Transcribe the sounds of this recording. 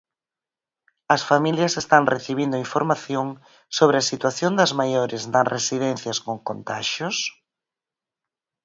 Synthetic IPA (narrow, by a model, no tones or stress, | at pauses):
ɐsfamiljɐsest̪aŋrʔeθiβ̞ind̪ʊiɱfoɾmaθjoŋ | soβ̞ɾɪɐsit̪waθjond̪ɐzmajoɾɪzd̪aŋresiðɛnθjɐskoŋkont̪aʃʊs